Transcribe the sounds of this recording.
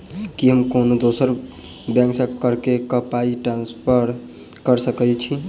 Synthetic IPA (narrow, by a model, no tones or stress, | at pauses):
kiɦəmkonod̪osəɾ | bjãŋksə̃kəɾkekəpaiʈɾãnspʰəɾ | kəɾsəkɛt͡ʃʰi